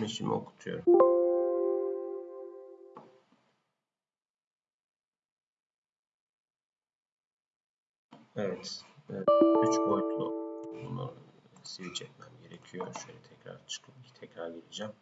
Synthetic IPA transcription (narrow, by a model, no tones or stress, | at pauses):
meʃimʔḭo̰kʰu̥t̪ʰujo̞̰ɾum | ɛvɛt̪ː | yt͡ʃbojklˠṵuna̰ɾ | sivit͡ʃɛt̪mæmɟe̞ɾecʰijoʃøjlʲɛt̪ʰɛcɾa̰ɾt͡ʃʰɯ̥kʰɯpt̪ʰɛcɾaɾɟed̪id͡ʒæm